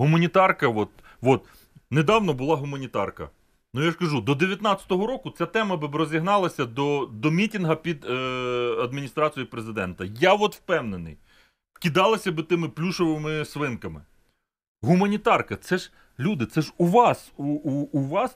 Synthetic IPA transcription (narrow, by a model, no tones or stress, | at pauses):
ɦʊmɐnʲit̪ɑrkɐʋɔt̪̚ | ʋɔt̪ | ned̪ɑwnɔbʊlˠɑɦʊmɐnʲit̪ɑrkɐ̰ | nʊjaʃkɐʒud̪ɔd̪eʋʲjɐt̪nɑt͡sʲɐ̥t̪ɔɦɔɾɔkʊt͡sʲat̪ɛmɐbɪbɾɔzʲiɦnɑlˠɐsʲɐd̪ɔd̪ɔmʲitʲinɦɐpʲid̪ | ɐd̪mʲinʲist̪ɾɑt͡sʲijipɾezɪd̪ɛnt̪ɐjaʋɔt̪wpɛwnenɪ̰j | kʲid̪ɑlˠɐsʲɐbɪt̪ɪmɪplʲuʃɔʋɪmɪsʋɪnkɐmɪ | ɦumɐnʲit̪ɑrkɐt̪sɛʒ | lʲud̪ɪtsɛʒuʋɑsuuːʋɑs